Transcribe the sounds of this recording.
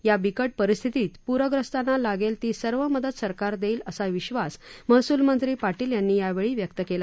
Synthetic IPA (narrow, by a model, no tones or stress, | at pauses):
jabikəʈ̚pəɾist̪ʰit̪iːt̪puɾəɡɾəst̪anːalaɡelt̪iːsəɾʋəməd̪əd̪səɾkaɾd̪eiːləsaʋiɕʋasməɦsuːlmənt̪ɾiːpaʈiːljanːiːjaʋeɭiːʋjək̚t̪əkela